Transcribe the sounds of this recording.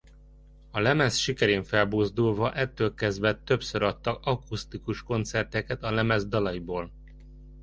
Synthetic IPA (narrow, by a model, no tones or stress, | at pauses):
ɒlɛmɛsʃikɛɾeːɱfɛlboːzd̪ulvɒʔɛt̪ːøːlkɛzd̪vɛt̪ø̞psøɾɒt̪ːɒɒkust̪ikuʃko̞nt̪sɛrt̪ɛkɛt̪ɒlɛmɛzd̪ɒlɒjiboːl